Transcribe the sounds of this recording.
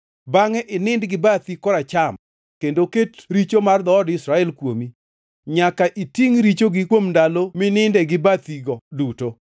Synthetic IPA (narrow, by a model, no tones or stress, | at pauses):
baŋɛʔɪnɪndɡɪbat̪ikɔɾat͡ʃam | kendoketɾit͡ʃomard̪ɔːdɪsɾaɛlkwomi | ɲakaʔitiŋɾit͡ʃoɡɪkwomndalomɪnɪndɛɡɪbat̪iɡɔduto